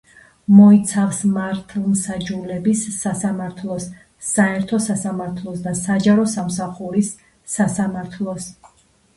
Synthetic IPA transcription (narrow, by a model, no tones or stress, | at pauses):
mɔit̪sʰafsmaɾt̪ʰlˠmsad͡ʒulɛbisːasamaɾt̪ʰlˠɔsː | aɛɾt̪ʰɔsasamaɾt̪ʰlˠɔsd̪asad͡ʒaɾɔsamsaχuɾisː | asamaɾt̪ʰlˠɔs